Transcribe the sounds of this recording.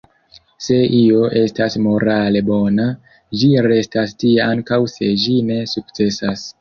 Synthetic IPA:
se̞ʔio̞ʔe̞stasmo̞ɾale̞bo̞na | d͡ʒiɾe̞stastieaŋkawse̞d͡ʒine̞suk̚t͡se̞sas

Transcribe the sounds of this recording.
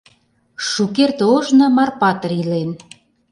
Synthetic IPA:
ʃukert̪oʒnɤ̆mɑrpɑt̪ə̆ɾilen

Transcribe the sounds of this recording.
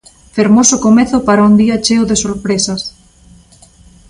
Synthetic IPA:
feɾmosʊkomeθʊpaɾaund̪iat͡ʃewðesoɾpɾesɐs

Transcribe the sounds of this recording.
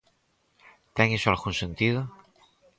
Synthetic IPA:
t̪eŋesoalɣuŋsẽnt̪ið̞o

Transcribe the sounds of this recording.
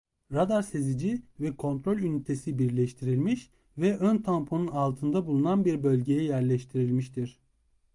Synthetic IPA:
ɾad̪aɾse̞zid͡ʒivɛkʰo̞nt̪ɾo̞lʲynyt̪ʰesibiɾlʲɛʃt̪ʰiɾilʲmiʃ | vɛʔønt̪ʰampʰonunalˠt̪ʰɯnd̪abulˠunanbiɾbølʲɟe̞jɛjæɾlʲɛʃt̪ʰiɾilʲmiʃt̪ʰiɾ̥

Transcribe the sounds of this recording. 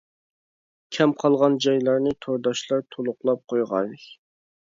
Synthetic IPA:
kʲʰɛmqʰɑlˠʁɑnd͡ʒɑjlˠɑɾnɨt̪ʰoɾd̪ɑʃlˠɑɾt̪ʰolˠʊqlˠɑp̚qʰojʁɑ̰j

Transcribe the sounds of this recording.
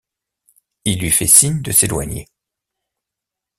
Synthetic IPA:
ilːɥifɛsiɲd̪əselwa̰ɲḛ

